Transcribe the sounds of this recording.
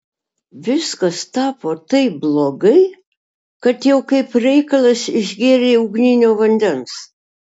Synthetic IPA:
ʋʲɪskɐst̪ɑːpoːt̪ɐɪp̚blˠoːɡɐɪ | kɐt̪jɛʊkɐɪpɾʲɛɪkɐlˠɐsɪʒʲɡʲeːɾʲeːʊɡnʲɪnʲoːʋɐnʲd̪ʲɛns

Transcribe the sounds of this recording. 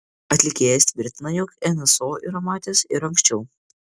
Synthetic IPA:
ɐt̪ʲlʲɪkʲeːjɛsʲt̪ʲʋʲɪɾʲt̪ʲɪnɐjɔkɛnʲɛsoːɪɾɐmɑːt̪ʲesɪɾɐŋksʲt͡ʃʲɛʊ

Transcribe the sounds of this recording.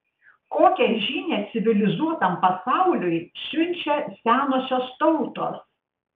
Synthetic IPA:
koːkʲɛʒʲiːnʲeːt̪sʲɪʋʲɪlʲɪzuɔt̪ɐmpɐsɑˑʊlʲʊjsʲʊnʲt͡ʃʲɛsʲæːnosʲoːst̪ɔʊt̪o̰ːs

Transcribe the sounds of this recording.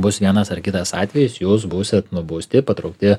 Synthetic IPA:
bʊsʋʲiɛnɐsɐrkʲɪt̪ɐsɑːt̪ʲʋʲɛjɪsjuːs̬buːsʲɪt̪nʊboːsʲt̪ʲɪpɐt̪ɾɐʊk̚t̪ʲɪ

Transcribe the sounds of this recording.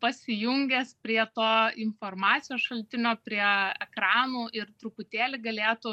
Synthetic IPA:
pɐsʲɪjʊŋʲɡʲɛspʲɾʲiɛt̪oːɪnformɑːt͡s̪sʲɪjoːsʃɐlʲt̪ʲɪnʲoːpʲɾʲiɛɛkɾɑːnuːʔɪrt̪ɾʊpʊt̪ʲeːlʲɪɡɐlʲeːt̪ʊ

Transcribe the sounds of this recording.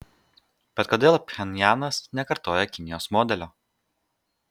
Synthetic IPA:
b̥ʲɛt̪̚kod̪ʲeːlˠpʲxʲɛnʲjæːnɐsnʲɛkɐɾt̪oːjɛkʲɪnʲɪjoːsmɔːd̪ʲɛlʲoː

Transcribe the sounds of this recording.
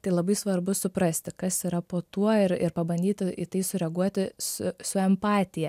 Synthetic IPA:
t̪ɐɪlˠɐbɐɪsʋɐrbʊsʊpɾɐsʲt̪ʲɪkɐsiːɾɐpoːt̪uɔɪɾɪ̰ɾpɐbɐnʲd̪ʲiːt̪ʲɪʔit̪ɐɪsʊɾʲɛɡuɔt̪ʲɪsʊsʊɛmpɑːt̪ʲɪjɛ

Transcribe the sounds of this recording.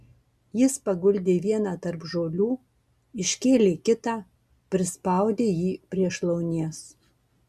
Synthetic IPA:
jɪspɐɡʊlʲd̪ʲeːʋʲiɛnɑːt̪ɐɾpʒoːlʲuː | ɪʃʲkʲeːlʲeːkʲɪt̪ɑː | pʲɾʲɪspɑˑʊd̪ʲeːjiːpʲɾʲiɛʃlˠɐʊnʲeɛs

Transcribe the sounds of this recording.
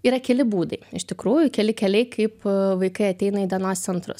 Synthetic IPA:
iːɾɐkʲɛlʲɪbuːd̪ɐɪɪʃt̪ʲɪkɾuːjʊkʲɛlʲɪkʲɛlʲɛɪkʰɐɪpʋɐɪkɐɪɐt̪ʲɛɪnɐiːd̪ʲɛnoːst̪sʲɛnt̪ɾʊ̰s

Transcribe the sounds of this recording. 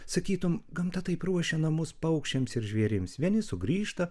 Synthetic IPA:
sɐkʲiːt̪ʊmɡɐmt̪ɐt̪ɐɪpɾuɔʃʲɛnɐmʊspɐʊkʃʲt͡ʃʲɛmsɪɾʒʲʋʲiɛɾʲɪmsʋʲiɛnʲɪsʊɡɾʲiːʃt̪ɐ

